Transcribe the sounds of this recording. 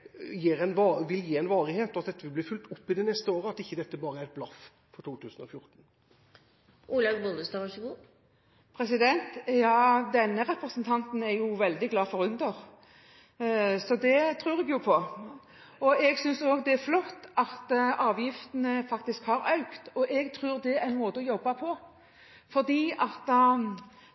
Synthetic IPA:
jiːɾɛnɑʋɪljiːɛɪnʋɑːɾɪheːt̪ɔt̪d̪ɛt̪ːəʋɪlbliːfʉlt̪ʊpːɪd̪ɪnɛst̪əoːɾəɑt̪ɪçːəd̪ɛt̪ːəbɑːɾəæɾɛt̪̚blɑf | fɔɾt̪ʰuːt̪ʰʉːsənɔ̰fjʊɾt̪n̩ | ʔuːlɑʋbʊnd̪əst̪ɑʋɑʂəɡuː | pʰɾɛsɪd̪ɛnt̪jɑːd̪ɛnːəɾɛpɾəsənt̪ʰɑnt̪n̩æɾjʊʋɛld̪ɪɡlɑːfɔɾʉnd̪əʁ | sɔd̪ɛt̪ʰɾʉːʁɛɡjʊpʰɔ | ɔɛɡsʏnsoːɡd̪ɛæɾflɔt̪ːɑt̪ʔɑːʋjɪft̪ənəfɑkt̪ɪskhɑɾɑʉkt̪ɔʔɛɡt̪ʰɾʉːʁd̪ɛænmoːt̪əɔjɔbːɑpʰɔ | fɔʁd̪iːɑt̪ː

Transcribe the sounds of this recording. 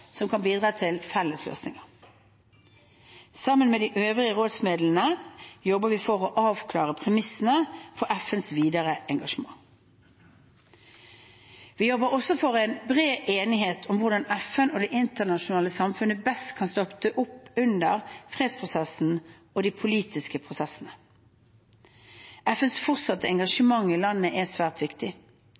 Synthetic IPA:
sɔmkʰɑnbiːd̪ʁɑːt̪ʰɪlfɛlːəslø̰ːsnɪ̰ŋɑ | sɑmːənmeːd̪iːʔøːʋʁɪəʁoːd̪smeːd̪lənəjɔbəʋifɔʁoʔɑːʋkʰlɑːʁəpʰʁɛmɪsən̩əfɔɾæfənsʋiːd̪əʁəʔɛŋɡɑʂəmɑ̰ŋ | ʋiːjɔbəɾɔsɔfɔʁɛɪnbʁeːʔeːnɪɦeːt̪ʰʊmʋʊʁd̪ɑnɛfənoːd̪ɛʔɪnt̪əʁnɑʃʊnɑːləsɑmfʉnːəbɛst̪kʰɑnst̪ɔpt̪ʰəʔʊpːʉnd̪əʁfʁeːd̪spʰʁʊsɛsn̩ | ɔd̪iːpʰʊliːt̪ɪskəpʰʁʊsɛsən̩ə | ʔɛfənsfɔʁt̪sɑt̪ːəɛŋɡɑʂəmɑŋːɪlɑnːəʔɛsʋæːʁt̪ʋɪkt̪ɪ

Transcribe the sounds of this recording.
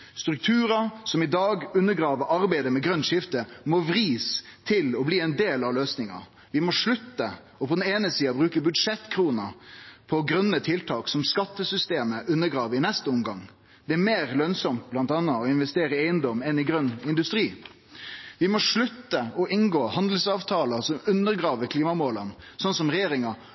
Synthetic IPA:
st̪ɾʉk̚t̪ʰʉːɾɑsɔmɪd̪ɑːɡʉnːəɡɾɑːʋəʔɑɾbæɪd̪əmɛɡɾœnːʂɪft̪əmɔʋɾiːst̪ʰɪlɔbliːɛɪnd̪eːlɑløːsnɪŋɑ̰ | ʋɪmɔʂɭʉt̪ːə | ɔpʰɔd̪ɛneːnəsiːɑbɾʉːkəbʉd̪ʂɛt̪ːkʰɾuːnɑ̰pʰɔɡɾœnːət̪ʰɪlt̪ʰɑːksɔmskɑt̪ːəsʏst̪eːməʔʉnːəɡɾɑːʋəɪnɛst̪əɔmɡɑŋ | d̪̥ɛæɾmeːɾlœnsɔmt̪̚blɑnt̪ɑːnəɔɪnʋɛst̪eːɾəeɪənd̪ɔmɛnɪɡɾœnːɪnd̪ʉst̪ɾiː | ʋɪmɔʂɭʉt̪ːəɔʔɪnɡoːhɑnd̪l̩sɑːʋt̪ʰɑːləsɔmʉnːəɾɡɾɑːʋəkʰliːmɑmoːlən | sɔnsɔmɾɛjeːɾɪŋɑ

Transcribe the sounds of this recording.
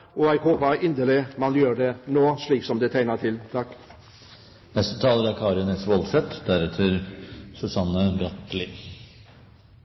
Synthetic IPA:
ɔæɪɡhoːpəɾʔɪnd̪əlɪmɑnjøːɾɖɛnoːʂɭiːksɔmd̪ɛt̪ʰæɪnəʈʰɪlt̪ʰɑkː | nɛst̪ət̪ʰɑːləɾæɾkʰɑːɾɪnɛsʋɔlsɛt̪ːd̪æɾɛt̪ʰəɾsʉsɑnːəbɾɑt̪lɪ

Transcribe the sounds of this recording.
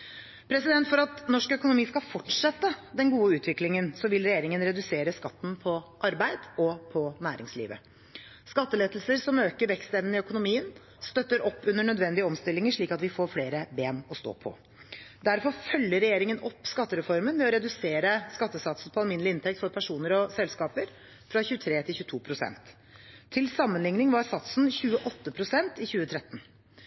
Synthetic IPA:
pʰɾɛsɪd̪ɛnt̪fɔɾɑt̪nɔʂkœkʊnʊmiːskɑfɔʈʂɛt̪ːəd̪ɛnɡuːəʉːt̪ʰʋɪklɪŋənsɔʋɪlɾɛjeːɾɪŋənɾɛd̪ʉseːɾəskɑt̪ːn̩pʰɔʔɑɾbæɪd̪ɔpʰɔnæːɾɪ̰ŋslḭːʋə̰ | skɑt̪ːəleːt̪l̩səɾsɔmøːkəɾʋɛkst̪ɛʋnɪœkʊnʊmiːən | st̪œt̪ːəɾɔpːʉnːəɳœd̪ʋɛnd̪ɪəɔmst̪ɪlːɪŋəʂɭiːkɑt̪ʋɪfoːɾfleːɾəbeːmɔst̪o̰ːpʰɔ̰ | d̪æɾfɔɾfœlːəɾɛjeːɾɪŋənʔɔpːskɑt̪ːəɾɛfɔɾmənʋɛɔɾɛd̪ʉseːɾəskɑt̪ːəsɑt̪sn̩pʰɔɑlmɪnəlɪɪnt̪ʰɛkt̪fɔɾpʰæʂuːnəɾɔsɛlskɑːpəɾ | fɾɑçʉːt̪ʰɾeːt̪ʰɪlçʉːət̪ʰuːpʰɾʊsɛ̰nt̪ʰː | ɪlsɑmːənlɪŋnɪŋʋɑsɑt̪sn̩çʉːəʔɔt̪ːəpʰɾʊsɛnt̪ɪçʉːət̪ʰɾɛt̪ːn̩

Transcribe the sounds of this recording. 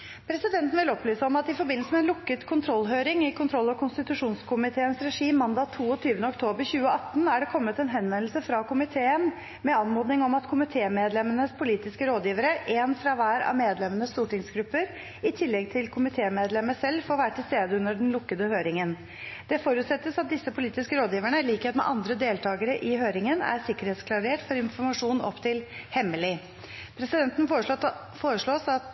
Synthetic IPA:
pʰɾɛsɪd̪ɛnt̪n̩ʋɪlɔplyːsəɔmɑt̪ɪfɔɾbɪnl̩səmɛnlʊkːət̪kʰʊnt̪ʰɾɔlːɦøːɾɪŋɪkʰʊnt̪ʰɾɔlːɔkʰʊnst̪ɪt̪ʉʂuːnskʰʊmɪt̪ʰeːənsɾɛʂiːmːɑnd̪ɑːt̪ʰːuːɔt̪ʰyːʋənəɔkt̪ʰoːbəɾçʉːəɑt̪ːn̩æɖɛkʰɔmːət̪ɛnɦɛnʋɛnlsəfɾɑkʰʊmɪt̪ʰeːən | mɛɑnmoːd̪nɪŋɔmɑt̪kʰʊmɪt̪ʰeːmeːd̪lɛmənəspʰʊliːt̪ɪskəɾoːd̪jiːʋəɾəʔenfɾɑʋæːɾɑ̰ʋmeːd̪lɛmənəst̪uːʈɪŋsɡɾʉpːəɾ | ɪt̪ʰɪlːɛɡ̚t̪ʰɪlkʰʊmɪt̪ʰeːmeːd̪lɛməsɛlːfoːɾʋæːɾəʈʰɪlst̪eːd̪əʉnəɖɛn̩lʊkːəd̪əhøːɾɪŋən | d̪̥ɛfoːɾʉːt̪sɛt̪ːəsɑt̪̚d̪ɪsːəpʰʊliːt̪ɪskəɾoːd̪jiːʋæɳəɪliːkeːt̪mɛ̰ʔɑnd̪ɾəd̪eːlt̪ʰɑːɡəɾəʔɪɦøːɾɪŋənæ̰ɾsɪkəɾheːt̪skʰlɑɾeːʈfɔɾɪnfɔɾmɑʂuːnɔ̰pːt̪ʰɪlhɛmːəlɪ | pʰɾɛsɪd̪ɛnt̪ən̩ː | foːɾəʂɭoːsɑt̪

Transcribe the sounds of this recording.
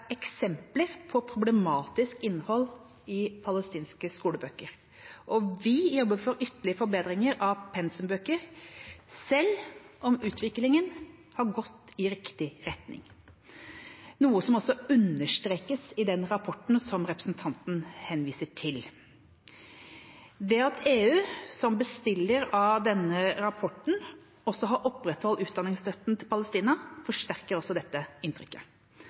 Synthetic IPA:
ɛksɛmpləɾpʰɔpʰɾʊblɛmɑːt̪ɪskɪnːhɔl | ɪpʰɑləst̪iːnskəskuːləbøːkəɾ | ʔɔʋɪjɔbːəfɔɾʏt̪ːəɭɪəfɔɾbeːd̪ɾɪŋəɾɑʋpʰɛnsəmbøːkəɾ | sɛlːʔɔmʉːt̪ʰʋɪklɪŋənhɑɾɡɔt̪ːɪɾɪkt̪ɪɾɛt̪nɪ̰ŋ | nuːəsɔmɔsːɔʉnəʂt̪ɾeːkəsɪd̪ɛnɾɑpʰɔʈn̩sɔmɾɛpɾə̥snt̪ʰɑnt̪n̩hɛnʋiːsəʈʰɪl | d̪ɛɑt̪ʰeːʉːsɔmbəst̪ɪlːəɾɑʋd̪ɛnːəɾɑpʰɔʈɳ̩ | ɔsːɔɦɑɾʔɔpːɾɛt̪hɔlːʉːt̪̚d̪ɑnɪŋsɾœt̪ːn̩t̪ʰɪlpɑləst̪iːnɑfɔʂʈæɾkəɾɔsɔd̪ɛt̪ːəɪnt̪ʰɾʏ̰kːə

